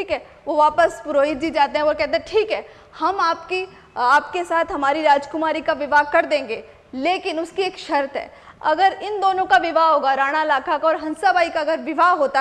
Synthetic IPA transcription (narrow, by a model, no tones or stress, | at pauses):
ʈʰiːkɦɛ | ʋoʋaːpəspʊɾoːɦɪd̪d͡ʒid͡ʒaːt̪eɦɛ̃ʋokɛɦt̪ẽʈʰiːkɦɛː | hɐmaːpki | aːpkesaːt̪ʰɦɐmaːɾiɾaːd͡ʒkʊmaːɾikaʋɪʋaːɦkɐɾd̪ẽːŋɡeː | leːkɪnʊskieːkʃɐɾt̪ɦɛ̰ː | ɐ̰ɡəɾɪnd̪oːnõkaʋɪʋaːɦoːɡaɾaːɽ̃aɪlaːkakaɔːɾɦɐ̃nsabaːikaɐɡəɾʋɪʋaɦoːt̪a